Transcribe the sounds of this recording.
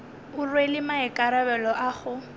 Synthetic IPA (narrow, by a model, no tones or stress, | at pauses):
ʊrwelɪmaɛkʼaɾabɛlɔʔaχʊ